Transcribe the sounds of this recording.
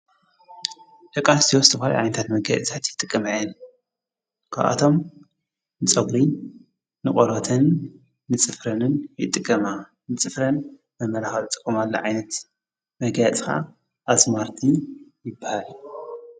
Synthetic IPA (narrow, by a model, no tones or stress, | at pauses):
d̪ɐkʼast̪ʰiwost̪ʰɨfala̰ʕa̰jnɐt̪ʰat̪mɐɡa̰t͡st̪ʰat̪jɪt̪ʼɨkʼːɐmʕɛn | kʰa̰βʔa̰t̪ʰo̞m | nɨt͡sʼɐɡɾi | nɨkʼoɾot̪ʰɨnː | ɨt͡sʼɨfɾɐnɨnjɪ̰t̪ʼːɨkʼːɐma | nɨt͡sʼɨfɾɐn | mɐmːɐlaxɐlɨt̪ʼɨ̥kʼːumalːo̰ʕajnɐt̪ | mɐɡjat͡sʼxa̰ | ʔasmaɾt̪ʰɨnjɪbːahal